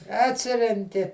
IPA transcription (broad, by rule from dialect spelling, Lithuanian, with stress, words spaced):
ɐtʲˈsʲɪrʲɛŋʲkʲɪ